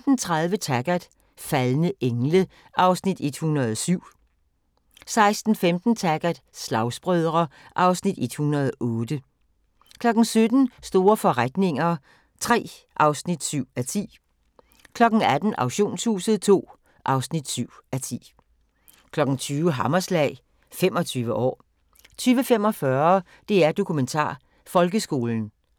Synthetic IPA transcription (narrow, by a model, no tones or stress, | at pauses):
d̥n̩t͡sʰʁaðˠʋət͡sʰæɡ̥æd̥ | fælnəʔeŋlə | ʔɑ̈ʊsnid̥e̝d̥hunɐðˠsyʊ̰ | sɑ̈ɪsd̥n̩femd̥n̩t͡sʰæɡ̥æd̥slɑ̈ʊsb̥ʁœð̞ˠʁɐʔɑ̈ʊsnid̥e̝d̥hunɐðˠʔɔːd̥ə | kʰlɒ̽ɡ̥n̩sød̥n̩sd̥o̝ːɐfɒ̽ʁad̥ne̝ŋɐ | t͡sʰʁɛ̰ː | ʔɑ̈ʊsnid̥syʊ̰æt͡sʰḭː | kʰlɒ̽ɡ̥n̩æd̥n̩ɑ̈ʊɕo̝̰ːnsṵːsəð̩ˠt͡sʰo̝̰ː | ʔɑ̈ʊsnid̥syʊ̰æt͡sʰḭː | kʰlɒ̽ɡ̥n̩t͡sʰyːʊəɦɑ̈mɐslɛ̰ɪ | femɒ̽t͡sʰyːʋəʔɒ̰ː | t͡sʰyːʋəfem̰ɒ̽fɶɐ | d̥e̝æɐd̥o̝kʰument͡sʰɑ̰̈ː | fɒ̽lɡ̥əsɡ̥o̝ːln̩